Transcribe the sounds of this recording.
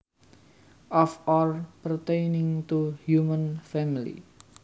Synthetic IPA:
ʔɔfɔlpəɾt̪ejnɪ̃ŋt̪uhjumə̃nfɛmilḭ

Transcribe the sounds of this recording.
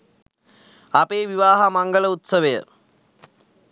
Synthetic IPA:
apeːʋiʋaːɦamaŋɡələut̪səʋəjə̰

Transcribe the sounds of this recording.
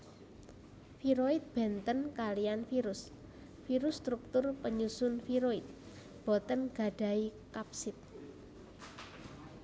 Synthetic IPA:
fiɾoit̪̚b̥ɛnt̪ənkalijanfiɾʊs | fiɾʊst̪ɾuk̚t̪ʊrpəɲusʊnfiɾoɪt̪̚ | b̥ɔt̪ənɡ̥a̤ɖ̥ä̤ikapsɪt̪̚

